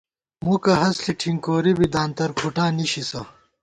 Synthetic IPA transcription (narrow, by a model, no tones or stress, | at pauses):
mukɐɦɐsɬiʈʰiŋkoːɾibid̪aːnt̪ɐɾkʰuʈaːniɕisɐ